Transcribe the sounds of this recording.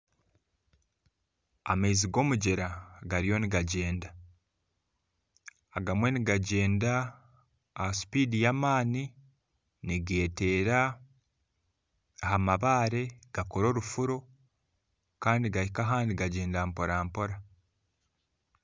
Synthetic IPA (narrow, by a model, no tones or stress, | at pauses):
a̰meiziɡo̞ːmuɟeɾaɡaɾijo̞niɡaɟe̞ːnda | ɡamwe̞niɡaɟe̞ːndaː | hasi̥piːdijamaːni | niɡe̞ːte̞ːɾa | hamaβaːɾe̞ɡ̥akoɾo̞ːɾufuɾo̞ | kaːndiɡahikaɦaːndiɡaɟe̞ːndaːmpo̞ɾaːmpo̞ɾa